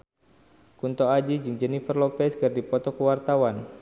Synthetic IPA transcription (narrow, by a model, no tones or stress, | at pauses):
kunt̪ɔad͡ʒid͡ʒɨŋd͡ʒənifərlɔk̚fɛskərdipɔt̪ɔkəwart̪awan